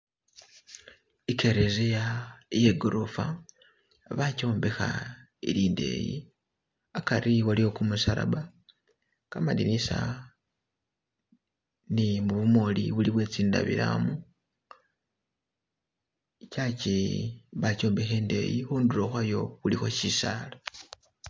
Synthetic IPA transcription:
ikʰe̞ɾezejajeɡoɾofa̰ | βaco̞ːmbexa̰ | iɾiːnde̞̰jḭ | akaɾiwalio̞kumusaɾa̰βa | kamadinisa̰ | nimuβumo̞liβuliβwe̞t͡siːnda̰βḭɾa̰mu | icaciβaco̞ːmbexe̞ːnde̞̰jixuːnduɾoxwajo̞βulixo̞ʃisaːla

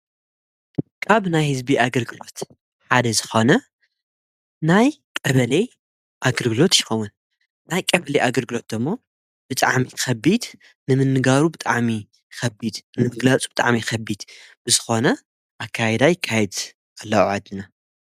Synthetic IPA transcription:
kʰaβnajhɨzbiʔaɡɐlɡɨlo̞t̪ | ħad̪ɐzɨxo̞nɐ | najkʼɐβɐle | ʔaɡɐlɡɨlo̞t̪jɪxowun | najkʼɐβɐleʔaɡɐlɡɨlo̞t̪̚d̪ɨmːo̞ | b̥ɨt̪ʼa̰ʕmixɐbid̪ | nɨmɨnːɨɡaɾubɨt̪ʼaʕmi | xɐbid̪nɨmɨɡlat͡sʼub̥ɨt̪ʼa̰ʕmixɐbid̪b̥ɨzɨxo̞nɐ | ʔakʰːajɛd̪ajɪkʰːajɛd̪ | alːɐʕad̪ːɨna

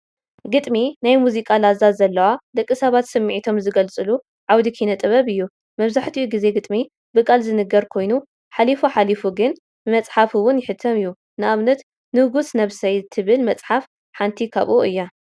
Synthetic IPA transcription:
ɡɨt̪ʼminajmuzikʼalazːazːɐlːɐwad̪ɐkʼːisɐβat̪sɨmːiʕit̪ʰo̞mzɨɡɐlt͡sʼɨlu | ʕawd̪ikʰinɐt̪ʼɨβɐβɨjːu | mɐβzaħt̪ʰiuɡize̞ɡɨt̪ʼmi | bɨkʼalzɨnɨɡɐɾkʰo̞jnu | ħalifuħalifuɡɨn | bɨmɐt͡sʼħafiwʊnjɪħɨt̪ʰːɐmɨjːu | nɨʔaβnɐt̪ | nɨɡusnɐβsɐjt̪ʰɨβɨlmɐt͡sʼħaf | ħant̪ʰikʰa̰βʔoʔɨjːa

